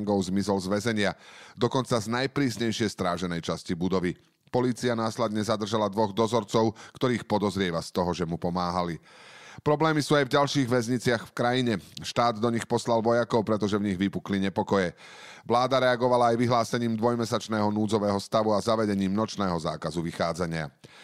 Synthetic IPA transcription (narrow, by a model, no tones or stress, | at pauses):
ŋɡɔʊzmizɔlzʋɛzɛɲɪad̪ɔkɔnt͡saznajpɾiːsɲɛjʃɪɛjst̪ɾaːʒɛnɛjt͡ʃascibud̪ɔʋi | pɔliːt͡sianaːslɛd̪ɲɛzad̪r̩ʒalad̪ʋɔɣd̪ɔzɔɾt͡sɔʊkt̪ɔɾiːxpɔd̪ɔzɾɪɛʋast̪ɔɦɔʒɛmupɔmaːɦalipɾɔblɛːmisuːajvɟalʃiːɣʋɛzɲit͡sɪaxfkɾajiɲɛʃt̪aːd̪d̪ɔɲixpɔslalʋɔjakɔʊpɾɛt̪̬ɔʒɛvɲiɣʋipukliɲɛpɔkɔjɛ | ʋlaːd̪aɾɛaɡɔʋalaːjʋiɦlaːsɛɲiːmd̪ʋɔjmɛsat͡ʃnɛːɦɔnuːd͡zɔʋɛːɦɔst̪aʋuazaʋɛɟɛɲiːmnɔt͡ʃnɛːɦɔza̰ːkazuʋixaːd͡zaɲɪa̰